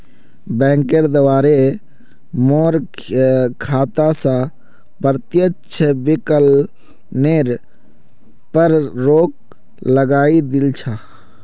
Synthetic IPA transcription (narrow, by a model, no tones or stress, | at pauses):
bɛ̃ːŋkeɾd̪əʋaːɾe | moːɾ | kʰaːt̪asã | pəɾt̪jət͡ʃʰəbɪkəl | neːɾ | pəɾɾoːk̚ | ləɡaːid̪ɪlt͡ʃʰaː